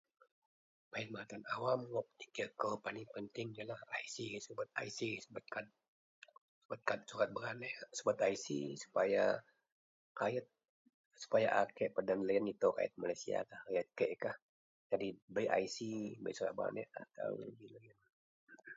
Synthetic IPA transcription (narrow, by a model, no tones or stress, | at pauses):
paən̚mat̪anawamwop̚t̪i̥kəkəpanipənt̪ɪŋijalahaisisubət̪̚a̰isisubət̪̚kat̪̚ | subət̪̚kat̪̚suɾat̪̚bəɾanɛsubət̪aisḭsu̥paja | kajət̪̚ | su̥pajaʔakɛʔpədanləjənit̪oka̰jə̰t̪̚malajsia̰kahkajət̪̚kəʔkah | d͡ʒadibəjʔa̰jsibə̰jsuɾa̰t̪̚bə̰a̰nɛ̰ʔa̰t̪a̰wbiləjən